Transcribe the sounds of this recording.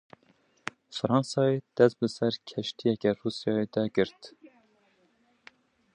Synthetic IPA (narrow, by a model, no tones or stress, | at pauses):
fɨɾɑnsɑːed̪̥ɛst̪̚bɨsɛɾkʰɛʃt̪ijɛkɛruːsijɑːjed̪ɛɡɨɾt̪